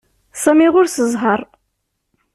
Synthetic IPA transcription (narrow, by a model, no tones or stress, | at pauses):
sæmiʁʊɾsəzˤɦəɾˤ